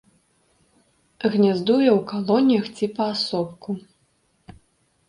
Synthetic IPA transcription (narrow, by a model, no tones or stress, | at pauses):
ɣnʲazd̪ujɛwkalˠɔnʲjɐxt͡sʲipɐːsɔpku